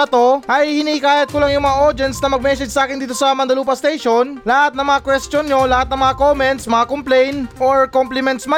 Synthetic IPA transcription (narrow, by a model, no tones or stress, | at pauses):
ɐt̪oʔɐjhɪniɪkaːjɐt̪̚kʊlaŋjʊŋmɐŋaʔoɾd̪ɛnsnɐmɐɡ̚mɛsɛd͡ʒsɐʔaːkɪnd̪iːt̪̬osɐmɐnd̪ɐluːpɐst̪ejʃonlɐhat̪nɐŋmɐŋakwɛst̪jonːolɐhat̪nɐŋmɐŋakoːmɛnt̪smɐŋakomplɛjnʔoɹkomplɪmɛnt̪smɐ